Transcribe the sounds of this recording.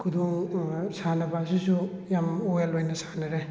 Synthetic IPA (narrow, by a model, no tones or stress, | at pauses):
kʰuduŋsanɐbasisujamoelojnɐsḁnɐɾe